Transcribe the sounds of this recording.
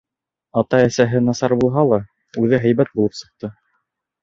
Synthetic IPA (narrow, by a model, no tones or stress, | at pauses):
ɑt̪ɑæsæɦɘnɑsɑɾbulˠɦɑlˠɑ | ʉðɘɦæjβæt̪̚bulˠɤpsɤ̆q̚t̪ɤ